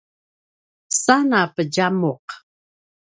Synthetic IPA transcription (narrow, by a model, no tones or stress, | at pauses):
sanapəɟamoq